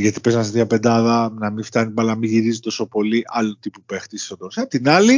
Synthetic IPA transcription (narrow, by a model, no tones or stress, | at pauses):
ʝɐt̪i̥pe̞zɐnɐst̪ðiɐpe̞nd̪ɐðɐnɐmift̪ɐnimɐlɐɐmiʝiɾizit̪o̞sopo̞liʔɐlot̪ipupext̪issod̪osɐpt̪inɐli